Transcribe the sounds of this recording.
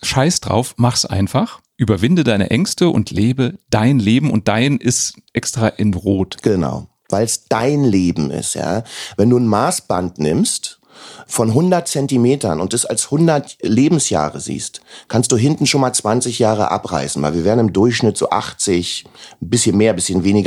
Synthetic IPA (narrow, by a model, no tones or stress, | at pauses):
ʃaɪsd̥ʁa̰ʊfmaχsʔa̰ɪnfaχʔyːbɐvɪndədaɪnə̰ʔɛŋstəʔʊ̰ntʰleːbəd̥aɪnleːbm̩ʊ̰nt̚d̥aɪnʔɪstʔɛkstʁ̥aːʔɪnʁoːtɡ̥əna̰ʊ | vaɪlsd̥aɪnleːbm̩ɪ̰stja̰ːvɛnduːn̩maːsb̥a̰ntnɪ̰mst | fɔnɦʊndɐt̚t͡sɛntimeːtɐ̰nʊnt̚d̥asa̰lshʊndɐtleːbm̩sja̰ːʁəzḭːstkʰanst̚d̥uːɦɪntn̩ʃoːnmaːlt͡sv̥ant͡sɪçjaːʁə̰ʔa̰pʁa̰ɪsn̩va̰ɪlviːɐveːɐdn̩ɪmdʊɐçʃnɪtz̥o̰ːʔa̰χt͡sɪçbɪsçənmeːɐbɪsçənveːnɪɡ